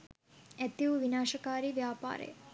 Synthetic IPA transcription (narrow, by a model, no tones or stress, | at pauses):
et̪ːiʋuʋinaːʂɐkaːɾiʋjaːpa̰ːɾḛ